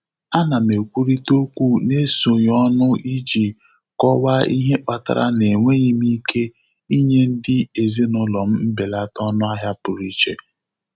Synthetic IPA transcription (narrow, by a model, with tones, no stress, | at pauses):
a˦na˨me˨kʷu˦ɾi˦to˦kʷu˦ne˦so˨ɲ˨ɔ˦nʊ˦i˦d͡ʒi˨ | kɔ˦wa˦i˦ɦe˦ʔɔ˨ta̰˨ɾa̰˦ne˨ŋʷe˦ɲi˦m˦i˦kʰe˦ | i˦ɲe˦n̩˦dɪ˦e˨ze˦nʊ˦lɔ˨m̩˦m̩˦be˨la˦tɔ˦nʊ˦a˦ɦja˦pʊ˨ɾi˦t͡ʃe˨